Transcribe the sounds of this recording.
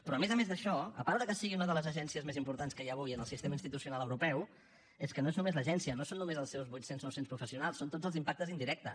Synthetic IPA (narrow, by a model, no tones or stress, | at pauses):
pɾɔəmezəmẽzðəʃɔəpaɾðəkəsiɣiunəðələzəʒɛnsiəzmezimpuɾt̪anskəjaβ̞ujənəlˠsist̪eməinst̪it̪usiunalˠəwɾupɛw | eskənoeznumezləʒɛnsiənosonːumezəlˠsɛwzβujt̪senznowsenspɾufəsiunalˠsːont̪od͡zzəlˠzimpak̚t̪əzind̪iɾɛk̚t̪ə̰